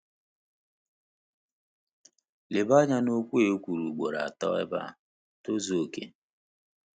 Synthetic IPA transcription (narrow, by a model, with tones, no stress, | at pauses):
le˨ba˦ɲa˦no˦kʷu˦e˨˦kʷu˨ɾu˨ɡ͡bo˨ɾa̰˨a˨tɔ̰˦ɛ̰˦ba̰˦˨ | to˦zo˨kḛ˦